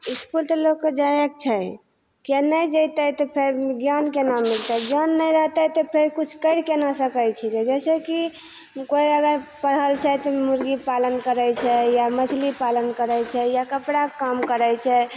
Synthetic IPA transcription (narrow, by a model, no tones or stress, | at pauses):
iskult̪ɔlokːed͡ʒajəkt͡ʃʰɛj | kenəjd͡ʒəjt̪ət̪ɔpʰeɾiɡjankenamːilt̪əd͡ʒɔnːəjɾəɦt̪ət̪ɔpʰeɾkut͡ʃʰkəɪɽkenasəkəjt͡ʃʰiked͡ʒɛseki | koiəɡəɾpəɽɦəlt͡ʃʰɛt̪ɔmuɾɡipalənkəɾəjt͡ʃʰɛjamət͡ʃʰlipalənkəɾət͡ʃʰɛjakəpɽakamkəɾəjt͡ʃʰɛ